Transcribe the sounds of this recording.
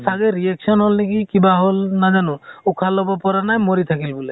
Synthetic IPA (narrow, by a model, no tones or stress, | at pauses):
saɡeɾieksʰɔnɦolnekikibaɦolnad͡ʒanuukʰalɔbɔpɔɾanajmoɾit̪ʰakilbule